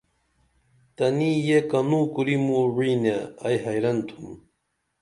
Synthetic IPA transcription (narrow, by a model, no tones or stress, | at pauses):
t̪anijekanukʊɾimuɾinaajɦajɾant̪ʰʊm